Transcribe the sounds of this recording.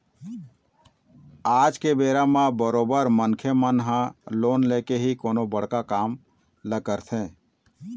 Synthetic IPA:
aːd͡ʒkebeːɾamãbəɾoːbəɾmənkʰjəmənɦãloːnleːkeɦikoːnobəɽ̤kakaːm | ləɡəɾt̪ʰẽː

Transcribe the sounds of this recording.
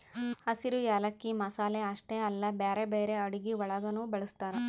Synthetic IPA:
ɐsiɾujaːlɐkːimɐsaːleɐʂʈeɐlːɐbeːɾebeːɾe̞ɐɽiɡiʋɐɭɐɡɐnuːbɐɭust̪aːɾɐ

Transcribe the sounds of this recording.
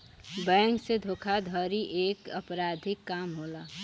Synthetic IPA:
bɛ̃ŋksed̪ʱokʰad̪ʱɔɾiʔekəpɾad̪ʱikːamɦola

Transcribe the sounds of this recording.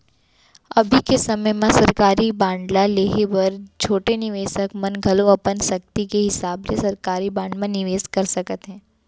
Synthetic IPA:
ɐbʱikesɐməjmãsɐɾkaːɾibãːɳɖlaleːɦebɐɾt͡ʃʰoːʈenɪʋeːsəkmɐnɡʱɐloɐpənsɐk̚t̪ikeɦɪsaːblesɐɾkaːɾibãːɳɖmẽnɪʋeːzkɐɾsɐkət̪ɦɛ̃ː

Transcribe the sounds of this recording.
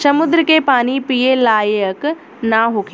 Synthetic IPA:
sɐmʊd̪ɾəkepaːnipijelaːjək | naɦokʰ

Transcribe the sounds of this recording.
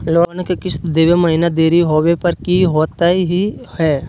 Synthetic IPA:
loːnkekɪt͡ʃ̪ʰd̪eːʋemɐɦɪnad̪eːɾiɦoːwepɐɾkiɦoːt̪aiɦihɛː

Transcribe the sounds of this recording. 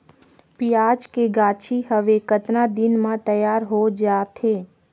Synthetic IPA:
pijaːd͡ʒkeɡaːt͡ʃʰiɦəʋekət̪nad̪ɪnmãt̪əjaːɾɦod͡ʒaːt̪ʰeː

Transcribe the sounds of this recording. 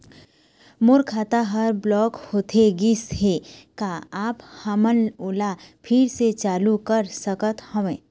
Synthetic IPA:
moːɾkʰaːt̪aɦɐɾblɔːkhoːt̪ʰeɡɪsɦekaaːphamənoːlapʰɪɾset͡ʃaːlukəɾsəkət̪həʋẽː

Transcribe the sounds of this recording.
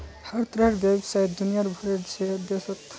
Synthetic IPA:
haɾt̪ɾaɦɾbebsajt̪̚d̪unijaɾbʱɔɾeɾd͡ʒʰed̪esɔt̪

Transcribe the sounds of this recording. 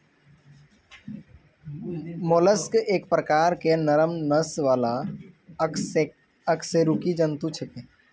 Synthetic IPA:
moːləskeːk̚pɾəkaːɾkenəɾəmnəsʋaːla | əkseɾukid͡ʒənt̪ut͡ʃʰək̪e

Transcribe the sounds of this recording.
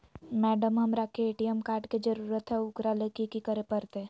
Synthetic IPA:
mɛːɖəmɦɐmɾakeeːʈiɛmkaːɾɖkid͡ʒəɾuːɾət̪ɦɛʊkɾalekikikəɾepəɾt̪eː

